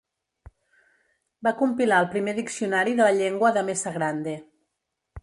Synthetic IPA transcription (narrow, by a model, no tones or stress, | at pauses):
bakumpilaəlˠpɾimeðiksiunaɾiðələʎeŋɡwəðəmesaɣɾand̪e